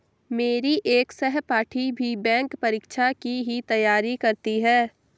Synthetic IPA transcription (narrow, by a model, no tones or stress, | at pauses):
meːɾiʔeːksɛɦpaːʈʰibʱibɛ̃ːŋkpɐɾiːkʃʰakiɦit̪ɐjːaːɾikɐɾt̪iɦɛː